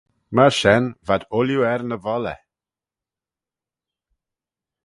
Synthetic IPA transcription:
maʃɛnvad̪ʊljuɛɾnəvɔlɛ̰

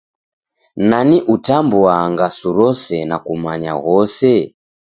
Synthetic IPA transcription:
naniʔutambuaŋɡasuɾɔsɛnakumaɲa̰ɣɔsɛ

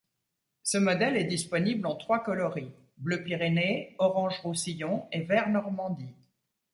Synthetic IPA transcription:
səmɔd̪ɛlɛd̪ispɔniblɑ̃t̪χwakɔlɔʁi | bløpiʁeneɔʁɑ̃ʒʁusijɔ̃evɛʁnɔʁmɑ̃d̪i

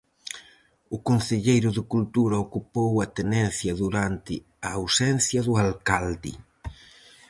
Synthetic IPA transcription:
ʊkonθeʎejɾʊðɪkult̪uɾɐokupowat̪enɛ̃nθjɐðuɾant̪ɪ | aːwsɛn̟θjɐðʊalkald̪ɪ̰

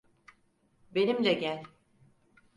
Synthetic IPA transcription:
be̞nimlɛɟælʲ

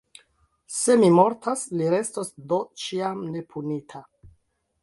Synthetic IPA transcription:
se̞mimo̞ɾtasliɾe̞stosdo̞t͡ʃiamne̞pʰunitʰa

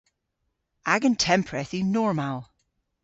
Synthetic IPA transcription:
aɡə̃ntʰɛ̃mpʰɹɛθinɔɹmalˠ

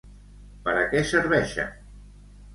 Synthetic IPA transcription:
pəɾəkɛsəɾβɛʃə̰

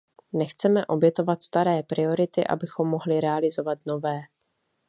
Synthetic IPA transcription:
nɛxt͡sɛmɛʔo̞bjɛt̪o̞vat̪st̪aɾɛːpɾɪo̞ɾɪt̪ɪʔa̰bɪxo̞mːo̞ɦlɪɾɛalɪzo̞vat̪no̞vɛː

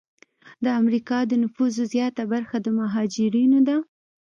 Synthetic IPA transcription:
d̪əamɾikɑd̪ənʊfuzozjɑt̪abaɾxad̪əmaɦɑd͡ʒɪɾinod̪a

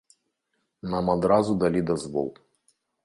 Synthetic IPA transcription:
namad̪ɾazud̪alʲid̪ɐzvɔ̰lˠ

